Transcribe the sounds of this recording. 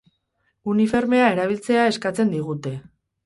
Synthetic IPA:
unife̞ɾme̞ae̞ɾaβ̞ilt͡se̞ae̞skat͡se̞nd̪iɣ̞ut̪e̞

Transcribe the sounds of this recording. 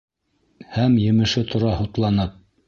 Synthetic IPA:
hæmjɘ̆mɘ̆ʃɘt̪ʰŏɾɑhŏt̪lˠɑnɤp̚

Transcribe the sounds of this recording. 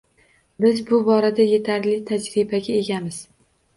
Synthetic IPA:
bɪzbʊbɒɾad̪aje̞t̪ʰaɾlɪt̪ʰad͡ʒɾɪbaɡʲae̞ɡʲamɪz̥

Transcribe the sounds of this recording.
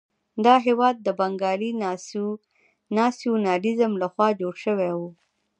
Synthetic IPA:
d̪ɑɦewɑd̪̚ːəbaŋɡɑli | nɑsijonɑlizəmlaxwɑd͡ʒoɽʃəwɛwu

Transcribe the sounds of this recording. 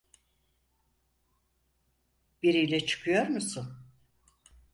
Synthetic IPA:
b̥iɾijlʲɛt͡ʃʰɯ̥kʰɯjoɾmusʊn

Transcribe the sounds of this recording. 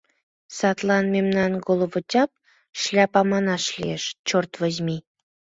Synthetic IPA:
sɑt̪lɑnmemnɑnɡolˠvotʲɑp̚ | ʃlʲɑpɑmɑnɑʃlʲḭeʃt͡ɕort̪vəzʲmi

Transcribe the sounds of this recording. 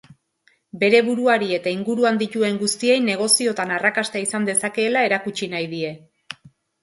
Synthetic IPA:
be̞ɾe̞βuɾuaɾie̞t̪aiŋɡuɾuand̪it̪ue̞ŋɡust̪ie̞jne̞ɣ̞o̞sio̞t̪anarakast̪aisand̪e̞sake̞ːlae̞ɾakut͡ʃinajð̞ie̞

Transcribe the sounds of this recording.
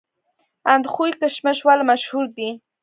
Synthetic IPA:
and̪χujkəʃməʃwalmaʃhuɾd̪i

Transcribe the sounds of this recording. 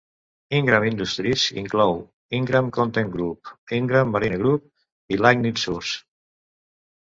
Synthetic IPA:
iŋɡɾamind̪ust̪ɾisḭŋklɔw | iŋɡɾamkont̪eŋɡɾup̚iŋɡɾamːaɾineɣɾup̚ | ilajknit̪suɾs

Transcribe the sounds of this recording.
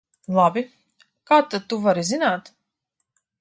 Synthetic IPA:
lˠabi | kaːt̪ːat̪uvaɾizinaːt̪

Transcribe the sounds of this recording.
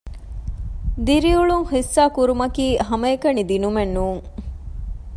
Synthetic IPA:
d̪iɾiuɭuŋhisːaːkuɾumɐkiːɦɐmɐekɐnid̪inumenːuːŋ

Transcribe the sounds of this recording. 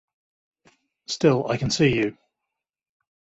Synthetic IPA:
stɪlˠa̰ɪkʰə̃nsiːjʉ

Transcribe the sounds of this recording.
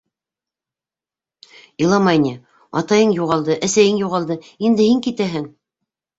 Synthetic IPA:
ilˠɑmɑjnɤ | ɑ̰t̪ɑjɤɴjuʁɑlˠd̪ɤʔæsæjɘŋjuʁɑlˠd̪ɤ | ind̪ɘhiŋkit̪æɦɘŋ

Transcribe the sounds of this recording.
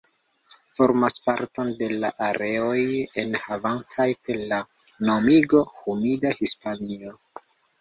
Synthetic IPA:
fo̞ɾmaspaɾto̞nde̞laʔaɾe̞o̞je̞nhavantʰajpe̞ɾlanomiɡo̞humidahispanio̞

